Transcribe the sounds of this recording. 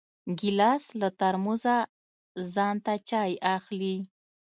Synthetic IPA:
ɡɪlɑslat̪aɾmuza | zɑnt̪at͡ʃɑjaxli

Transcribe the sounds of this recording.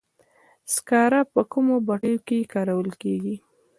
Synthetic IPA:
skɑɾapəkumobaʈəjokekɑɾawəlkeɡi

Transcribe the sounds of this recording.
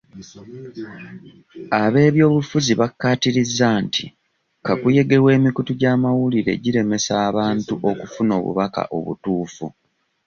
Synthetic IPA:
aβe̞ːβjo̞ːβufuziβakːaːtiɾizːaːntḭ | kakuje̞ɡe̞we̞ːmikutuɟaːmawuliɾe̞̰ɟiɾe̞me̞saːβaːntuʔo̞kufuno̞ːβṵβaka̰ʔo̞̰βṵtuːfṵ

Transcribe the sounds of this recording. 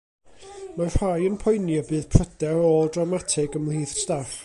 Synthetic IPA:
mar̥hajənpʰɔjnjabɨːð̥pʰr̥ədɛoːlˠdrawmatʰɪɡəmlˠiːθstaχ

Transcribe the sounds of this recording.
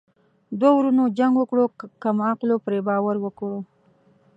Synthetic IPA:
d̪wowɾunod͡ʒaŋɡwəkɽokamaqlopɾebɑwaɾwəkɽo

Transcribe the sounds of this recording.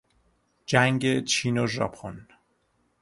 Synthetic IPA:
d͡ʒæŋɡet͡ʃʰiːnoʒɒ̰pʰon

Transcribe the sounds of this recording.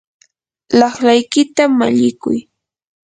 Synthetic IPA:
lɑχlajkɪt̪ama̰ʎɪkʊ̰j

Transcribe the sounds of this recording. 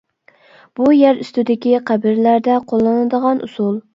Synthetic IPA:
b̥ujæɾyst̪ɪd̪ɪkʲiqʰæbɪɾlæɾd̪ɛqʰolˠːɨnɨd̪əʁɑnʔṵsulˠ

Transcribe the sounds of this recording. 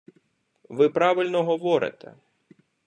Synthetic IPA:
ʋɪpɾɑʋɪlʲnɔɦɔʋɔɾɪ̰t̪ʰɛ̰

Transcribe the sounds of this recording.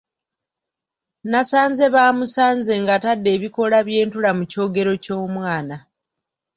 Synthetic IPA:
nasaːnze̞βaːmusaːɲze̞ŋɡatadːe̞ːβiko̞laβje̞ːntulamuco̞ːɡe̞ɾo̞co̞ːmwaːna

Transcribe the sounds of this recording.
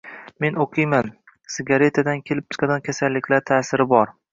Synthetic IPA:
me̞noqʰɨjman | sɪɡʲaɾe̞t̪ʰad̪ankʲʰe̞lɪp̚t̪ʰɪ̥qad̪ɒnkʲʰasalːɪkʲlaɾt̪ʰaːsɪɾɪbɒɾ

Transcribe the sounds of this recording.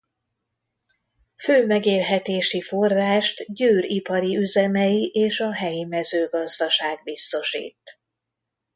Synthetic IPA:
føːmɛɡeːlɦɛt̪eːʃifo̞rraːʃt̪ɟøːripɒɾiyzɛmɛjiʔeːʃɒɦɛjimɛzøːɡɒzd̪ɒʃaːɡ̚bist̪o̞ʃḭːt̪

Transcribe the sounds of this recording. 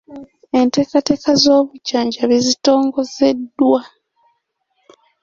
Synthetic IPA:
e̞nte̞ːkate̞ːkazo̞ːβucaːɲɟaβizito̞ːŋɡo̞ze̞dːwa

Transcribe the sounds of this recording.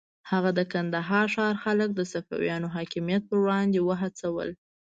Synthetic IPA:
haɣad̪əkand̪aɦɑɾʃɑɾxalək̚d̪əsafa̰wjɑnoɦɑkɪmijat̪̚pəwɽɑnd̪ewəɦat͡sawə̰l

